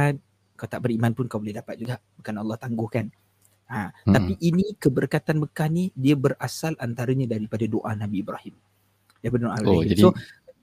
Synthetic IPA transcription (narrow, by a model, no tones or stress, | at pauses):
n̚ | kaawt̪aʔbərimanpʊnkawbolɛhdapat̪̚d͡ʒuɡaʔbakanɑlːɑht̪aŋɡʊhkan | aapiʔːnikəbərkat̪anməkahnidiabərasalʔant̪aɾəɲãdaɾipadadoʔanabiːbɾahɪm | daɾipadadoʔa̰ibahɪso